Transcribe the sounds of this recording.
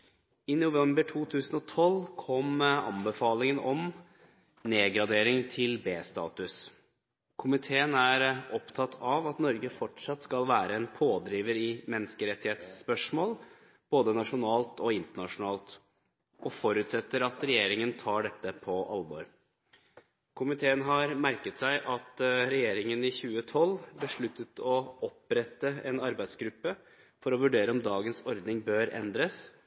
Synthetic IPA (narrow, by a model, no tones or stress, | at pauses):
ɪnʊʋɛmbəʈʰuːt̪ʰʉːsənɔt̪ʰɔlːkʰɔmɑ̰mbəfɑːlɪŋənɔm | neːɡɾɑd̪eːɾɪŋt̪ʰɪlbeːst̪ɑ̰ːt̪ʉs | kʰʊmɪt̪ʰeːənæɾʔɔpt̪ʰɑt̪ʰːɑʋɑt̪nɔɾɡəfɔʈʂɑt̪ːskɑlʋæːɾəɛnpʰoːd̪ɾiːʋəɾɪmɛnːskəɾɛt̪ːɪheːt̪spœʂmoːl | b̥oːd̪ənɑʂʊnɑːlt̪ɔɪnt̪əɳɑʂʊnɑːlt̪ | ʔɔfɔɾʉt̪sɛt̪ːəɾɑt̪ɾɛjeːɾɪŋənt̪ʰɑːɖɛt̪ːəpʰɔʔɑ̰lbɔ̰ɾ | kʰʊmɪt̪ʰeːənɦɑɾmæɾkət̪sæɪʔɑt̪ɾɛjeːɾɪŋənɪçʉːət̪ʰɔlːbəʂɭʉt̪ːət̪ʰɔɔpɾɛt̪ːəɛ̰nɑɾbæɪd̪sɡɾʉpːə | fɔɾɔʋʉɖeːɾəɔmd̪ɑːɡənsɔɾd̪nɪŋbøːɾɛ̰nd̪ɾəs